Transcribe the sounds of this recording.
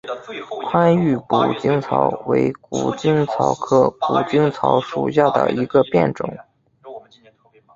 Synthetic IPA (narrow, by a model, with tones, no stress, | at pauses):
kʰwa˥ny˥˩pu˨˩t͡ɕi˥ŋt͡sʰɑ˧˥ʊwe˧˥ɪkṵ˨˩t͡ɕi˥ŋt͡sʰɑ˧˥ʊkʰɤ˥˩ku˨˩t͡ɕi˥ŋt͡sʰɑ˧˥ʊʂṵ˨˩ɕ̬ja˥˩d̪ə̰˩i˧˥ɡə˧pjɛ̰˥˩nʈ͡ʂʊ̰˨˩˦ŋ